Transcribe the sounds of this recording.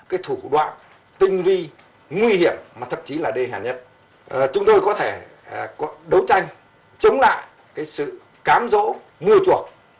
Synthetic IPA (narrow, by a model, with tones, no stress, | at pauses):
kaː˨˦jt̪ʰu˧˩ɗwa̰ː˧˨n | t̪ï˧ŋ̟vi˧ | ŋwi˧hi˧˩əmːaː˨˩t̪ʰə̰˧˨mt͡ɕi˨˦laː˨˩ɗe˧˩ɦaː˨˩ɲə˦˥t̚ː | t͡ɕʊ˨˦ŋ͡mt̪o˧jkɔ˨˦t̪ʰe˧˩ | kɔ˨˦ɗə˨˦wt͡ɕa˧jŋ̟ | t͡ɕə˨˦wŋ͡mla̰ː˧˨j | kaː˨˦jsɨ̰˧˨ | kaː˨˦mzo̰˧˥ | mɨ˧ət͡ɕu˨˩ək̚